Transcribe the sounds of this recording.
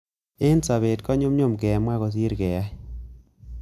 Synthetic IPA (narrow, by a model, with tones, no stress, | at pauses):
ɪ˦nsa˨βe˨tkɔ˦ɲʊ˦mɲo˦˨mkɛ˨mwa˦ɣɔ˨s̬i˦ɾkɛ˨ja˦